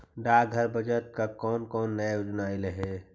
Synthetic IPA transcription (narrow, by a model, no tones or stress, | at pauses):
ɖaːɡʱəɾbʱəd͡ʒət̪̚kakɔːnkɔːnːəjjoːd͡ʒnaɪleɦɛ